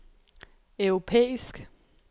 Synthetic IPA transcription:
œʊʁo̝pʰḛːisɡ̥

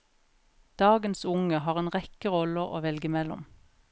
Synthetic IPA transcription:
d̪̥ɑːɡənsʊŋəhɑːʁeːnʁɛkəʁɔləʁo̰ːʋɛlɡəmɛlʊ̰m

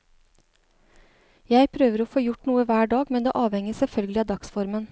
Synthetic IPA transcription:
jæɪpʰɾøːʋəɾoːfoːjʊʈnuːəʋæːɖɑːɡmɛnd̪ḛːʔɑːʋhɛŋəsɛlfœlɡəlɪɑːd̪ɑksfɔɾmən

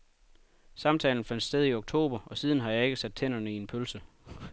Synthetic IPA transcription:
sɑ̈mt͡sʰɛ̰ːln̩fæn̰d̥sd̥eð̞ˠioɡ̥̚t͡sʰo̝̰ːb̥ɐɒ̽sið̞ˠən̩ɦɑ̈jɑ̈e̝ɡ̥əsæd̥̚t͡sʰen̰ɐnəie̝npʰølsə

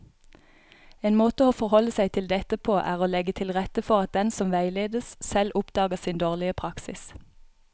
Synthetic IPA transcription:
eːnmoːt̪əoːfɔʁhɔləsæɪt̪ʰɪld̪ɛt̪əpʰoːʔæ̰ːʁoːlɛɡət̪ʰɪlʁɛt̪əfɔʁɑt̪̚d̪ɛnsɔmʋæɪleːd̪əssɛlʔʊpd̪̥ɑːɡəʁsiːnd̪oːʁlɪəpʰʁɑksɪ̰s

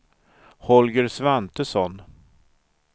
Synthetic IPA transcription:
hɔlɡəɾsvant̪əsɔn

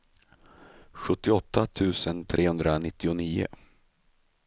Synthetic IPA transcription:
ɧɵt̪ːɪɔt̪ʰːat̪ʰʉ̟ːsənt̪ʰɾʔeːhɵnd̪ɾanɪt̪ːɪʊniːʊ̰

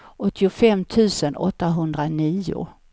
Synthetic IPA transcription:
ʔɔt̪ːɪʊfɛmːt̪ʰʉ̟ːsənʔɔt̪ːaɦɵnd̪ɾaniːʊ̰

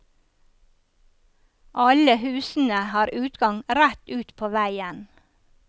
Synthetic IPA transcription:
ʔɑləhʉːsn̩əhɑːɾʔʉːt̪ɡɑŋɾæt̪ʉːt̪pʰoːʋæɪən

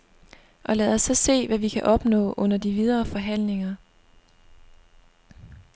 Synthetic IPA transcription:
ʔɒ̽læːð̩ˠɒsɒ̽se̝̰ːʋæʋikʰæʔɒ̽b̥nɔ̰̽ːʔɔ̽n̰ɐd̥iʋið̞ˠɐːfɒ̽ɦæn̰le̝ŋɐ

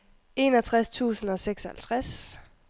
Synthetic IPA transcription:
e̝nɒt͡sʰʁast͡sʰṵːsn̩ɒ̽seɡ̥sɒhælt͡sʰʁas

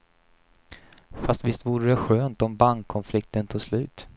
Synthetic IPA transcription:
fast̪vɪst̪vuːɾədɛɧøːnt̪ɔmbaŋkʰːɔnflɪk̚t̪ənt̪ʰuːslʉ̟ːt̪

